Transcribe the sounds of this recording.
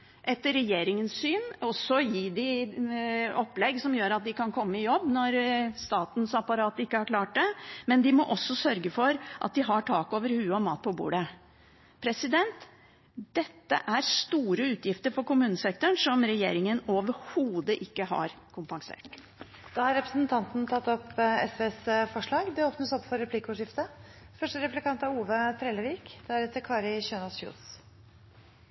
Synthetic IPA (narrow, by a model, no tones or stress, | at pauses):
ʔɛt̪ɾɛjeːɾɪŋənssyːnɔsːɔjiːd̪ɪ | ɔpːlɛɡsɔmjøːɾɑt̪̚d̪ɪkʰɑnkʰɔmːəɪjɔbːnɔɾst̪ɑːt̪nsɑpɑɾɑːt̪ɪkːəhɑɾkʰlɑːʈ̚d̪ɛmɛnd̪ɪmɔʔɔsːɔsœɾɡəfɔɾʔɑ̰t̪̚d̪ɪɦɑʈʰɑːkoːʋəɾhʉːɔmɑːt̪̚pʰɔbṵːɖə | pʰɾɛsɪd̪ɛnt̪ | d̪̥ɛt̪ːə̰ʔæɾst̪uːɾəʉːt̪ʰjɪft̪əɾfɔɾkʊmʉːnəsɛk̚t̪ʊɳʂɔmɾɛjeːɾɪŋənoːʋəɾhuːd̪əʔɪkːəɦɑ̰ɾkʰʊmpɑŋsḛːʈ | d̪̥ɑːhɑɾɛpɾəsn̩t̪ʰɑnt̪nt̪ʰɑt̪ːɔpːɛsʋeːsfɔʂɭɑːɡd̪ɛoːpnəsɔpːfɔɾːɛpʰliːkʊʂɪft̪ə | fœʂʈəɾɛplɪkɑnt̪ɑɾuːʋət̪ʰɾɛːləʋiːkd̪̥æɾɛt̪ːəɾkʰɑːɾɪçøːnɑsjṵːs